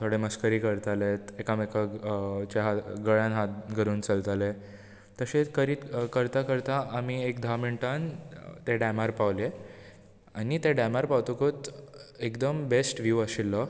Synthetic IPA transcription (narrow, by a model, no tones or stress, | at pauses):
t̪ʰoɽeməskəɾiːkəɾt̪alet̪ekamekat͡ɕeɦaɡəɭjãnɦat̪̚ɡʱəɾuːnt͡səlt̪ale | t̪əɕekəɾiːt̪kəɾt̪akəɾt̪aʔːmiekd̪ʱameɳʈant̪eɖamaɾpaʋle | anit̪eɖamaɾpawt̪okot̪ekd̪əmbesʈʋjuaɕilːə